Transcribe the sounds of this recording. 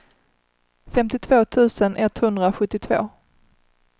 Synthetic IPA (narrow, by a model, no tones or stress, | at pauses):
fɛmt̪ɪt̪ʰvoːt̪ʰʉ̟ːsənɛt̪hɵnd̪ɾaɧɵt̪ːɪt̪ʰvo̰ː